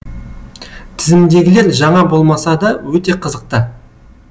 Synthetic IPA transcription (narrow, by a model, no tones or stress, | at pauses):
t̪ʰɪzɪmd̪e̞ɡʲɪle̞ɾʒɑɴɑbo̞lˠmɑsɑd̪ɑwɵt̪e̞qʰəzəq̚t̪ə